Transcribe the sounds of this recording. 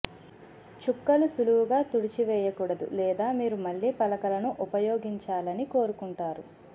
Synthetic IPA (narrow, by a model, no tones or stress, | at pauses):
t͡ʃukːɐlusuluwuɡaːt̪uɽit͡ʃiʋɛːjɐkuːɽɐd̪ṵlɛːd̪aːmiːɾumɐɭːiːpɐlɐkɐlɐnuʔupɐjoːɡiɲt͡ʃaːlɐniko̞ːɾukuɳʈaːɾu